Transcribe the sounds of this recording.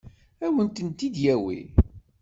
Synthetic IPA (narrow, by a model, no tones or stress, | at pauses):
æwənt̪ənt̪id̪jæwḭ